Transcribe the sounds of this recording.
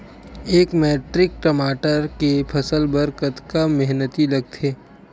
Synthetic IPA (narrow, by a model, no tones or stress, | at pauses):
eːkmeːʈɾɪk̚ʈəmaːʈəɾkepʰɐsəlbəɾkət̪kamɛɦnət̪ilɐɡ̚t̪ʰeː